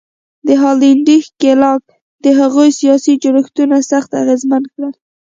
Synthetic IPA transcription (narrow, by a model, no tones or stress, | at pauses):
d̪əɦɑliɳɖixkelɑk̚ | d̪əɦaɣojsijɑsid͡ʒʊɾəxt̪unasaxt̪a̰ɣezmankɽəl